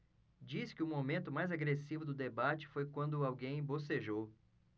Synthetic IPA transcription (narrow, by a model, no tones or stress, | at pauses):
d͡ʒiskɪʊmomẽnt̪ʊmajzaɡɾesivʊd̪ʊd̪ebat͡ʃɪ̥fojkwɐ̃nd̪ʊawɡẽj̃boseʒow